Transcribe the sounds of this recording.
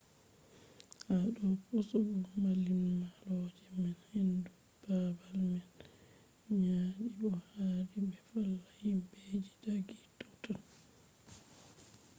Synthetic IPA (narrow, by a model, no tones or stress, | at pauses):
haɗɔpusuɡɔmalimːalɔd͡ʒɛmɛnhendu | b̥abalmɛn | ɲaːɗiɓɔhaɾibɛfalːahimbeːd͡ʒidaɡitːɔtɔn